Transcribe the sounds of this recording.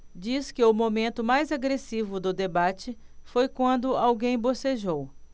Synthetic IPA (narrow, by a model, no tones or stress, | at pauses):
d͡ʒiskɪʊmomẽnt̪ʊmajzaɡɾesivʊd̪ʊd̪ebat͡ʃɪ | fojkwɐ̃nd̪ʊawɡẽj̃boseʒow